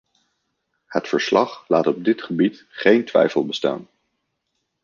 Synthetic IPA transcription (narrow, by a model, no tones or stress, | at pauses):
hətfəɹslɑχlaːtɔb̚dɪtχəbitχejntʋɛ̰jfəlˠbəsta̰ːn